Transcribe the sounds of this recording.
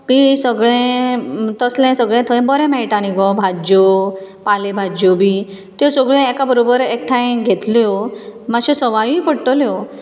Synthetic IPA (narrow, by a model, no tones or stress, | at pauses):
misəɡɭẽ | t̪əslɛ̃səɡɭɛ̃t̪ʰəj̃bəɾɛ̃maiʈaniɡɔbʱad͡ʑopalebʱad͡ʑjobiː | t̪jɔsəɡɭẽɛkabəɾobəɾek̚ʈʰãj̃ɡʱet̪ljɔmaɕẽsəʋajũipəɽʈəljɔ